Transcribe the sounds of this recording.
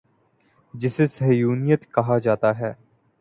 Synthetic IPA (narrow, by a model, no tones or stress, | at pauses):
d͡ʒɪsesɐɦjuːnijət̪kɐɦad͡ʒaːt̪aɦɛː